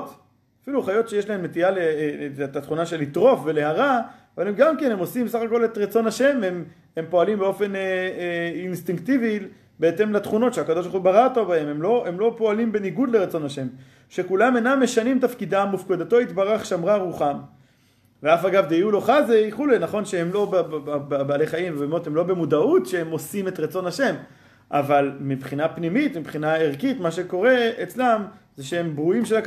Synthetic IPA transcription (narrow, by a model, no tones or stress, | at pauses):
t | afiluχajo̞t̪ʃejeʃlahemːet̪ialeet̪at̪χunaʃe̞lit̪ʁo̞fve̞le̞haʁaavalemɡamkene̞mo̞simbesaχako̞le̞t̪ʁat͡so̞naʃe̞mem | empo̞alimbeo̞fe̞nː | nst̪iŋkt̪ivi | beet̪e̞mlat̪χuno̞t̪ʃeakado̞ʃ̬bulbaʁaot̪obahe̞memlo̞emlo̞po̞alimbe̞niɡud̪leʁat͡so̞naʃe̞m | ʃekulamenamːe̞ʃanimt̪afkid̪amufked̪at̪o̞it̪baʁaχʃamʁaʁuχam | veafaɡavd̪eijulo̞χazejχulejnaχo̞nʃehemlo̞bababaːle̞χaimvebemo̞t̪hemlo̞bemud̪aut̪ʃehemo̞sime̞t̪ʁat͡so̞nhaʃe̞m | ʔavalmibχinapnimit̪mibχinaeʁkit̪maʃeko̞ʁe̞et͡slamzeʃeembʁuimʃela